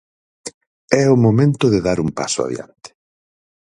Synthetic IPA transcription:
ɛʊmomẽnt̪ʊðeðaɾumpa̰sʊa̰ðj̰a̰nt̪ɪ̥

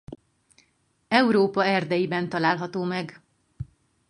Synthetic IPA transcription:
ɛuɾoːpɒɛrd̪ɛjibɛnt̪ɒlaːlɦɒt̪oːmɛɡ

